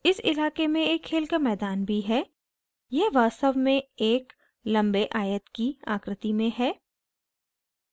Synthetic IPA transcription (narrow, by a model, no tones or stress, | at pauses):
ɪsɪ̰laːkemẽeːkʰːeːlkamɛːd̪aːnbʱiɦɛː | jɛɦʋaːst̪əʋmẽeːk | lɐ̃mbeʔaːjət̪kia̰ːkɾɪt̪imẽɦɛː